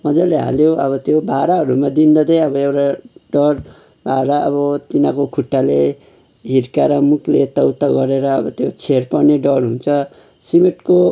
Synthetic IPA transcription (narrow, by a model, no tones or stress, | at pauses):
mʌd͡zaleɦa̰ljoʌβʌt̪jobʱaɾaɦʌɾumad̪ind̪ʌd̪ʌjʌbʌewʈaɖʌr | bʱaɾaʌ̰βʌt̪inakokʰuʈːale | ɦirkaɾʌmuklet̪ʌwt̪aɡʌɾeɾʌːbʌt̪jot͡sʰerpʌneɖʌrɦunt͡sʰʌ | simeʈko